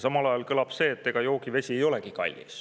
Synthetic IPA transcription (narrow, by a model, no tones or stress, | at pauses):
sɑmɑlɑjɑlkɤlɑb̥se̞ːt̪ːe̞ɡ̥ɑjo̞ːɡive̞sʲiejo̞le̞ɡ̥ikɑ̰lʲːḭs